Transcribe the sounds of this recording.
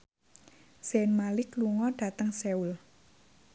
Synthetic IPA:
senmalɪkluŋɔɖ̥a̤t̪əŋseul

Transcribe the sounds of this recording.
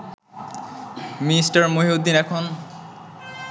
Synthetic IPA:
minisʈaɾmoɦiod̪ːinɛkʰon

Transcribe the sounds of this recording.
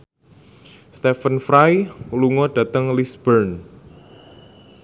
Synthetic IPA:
st̪ɛfənfɾajluŋɔɖ̥ä̤t̪əŋlisb̥ərn

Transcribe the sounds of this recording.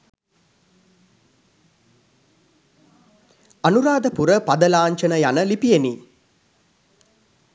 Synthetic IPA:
anuɾaːd̪əpuɾəpad̪əlaːɲt͡ʃənəjanəlipijeni

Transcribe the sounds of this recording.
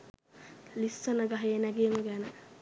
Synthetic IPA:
lisːənəɡaɦejenæɡeməɡænə

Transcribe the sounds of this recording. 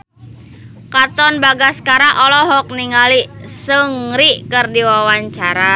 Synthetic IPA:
kat̪ɔnbaɡaskaɾaʔɔlɔɦɔk̚niŋalisəŋɾiʔkərdiwawaɲt͡ʃaɾa

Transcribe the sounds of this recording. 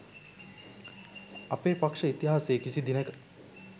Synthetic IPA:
ɐpeːpakʂəit̪iɦaːsejːkisid̪inəkə̥

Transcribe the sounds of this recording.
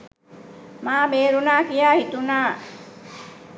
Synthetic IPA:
maːmeːɾunaːkijaːhit̪unaː

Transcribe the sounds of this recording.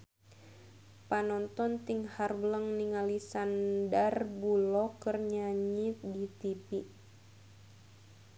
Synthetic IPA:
panɔnt̪ɔnt̪iŋharbələŋniŋalisandarbulɔkərɲaɲit̪̚dit̪ipi

